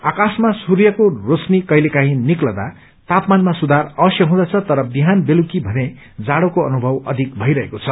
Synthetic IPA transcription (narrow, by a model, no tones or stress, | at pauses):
akasmasurjʌkorosnikʌjlekaɦĩniklʌd̪a | t̪apmanmasud̪arʌbʌsjʌɦũd̪ʌt͡sʰʌt̪ʌɾʌbiɦanbelukibʱʌne | d͡zaɽokoʌnubʱʌwʌ̰d̪ʱik̚bʱʌijɾʌɦekot͡sʰʌ